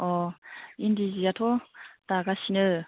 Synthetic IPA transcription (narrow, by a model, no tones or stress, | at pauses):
ɔind̪iziat̪ʰot̪aɡasinɯ